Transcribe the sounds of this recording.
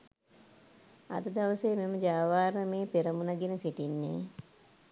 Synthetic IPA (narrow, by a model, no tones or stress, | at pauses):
a̰d̪əd̪aʋəseːmeməd͡ʒaːʋaːɾəmeːpeɾəmunaɡenəsiʈinːḛː